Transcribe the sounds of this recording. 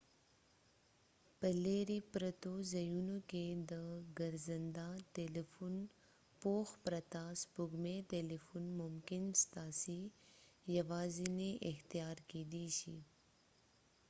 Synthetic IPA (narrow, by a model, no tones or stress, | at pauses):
pəleɾipɾat̪ozɐjunoked̪əɡəɾzənd̪aʈelifun | poxpɾat̪aːspʊɡmeʈ̪elifunmʊmkɪnst̪aːsi | jaʋɑːzineʔɪxt̪ijɑːɾkeːd̪iʃḭ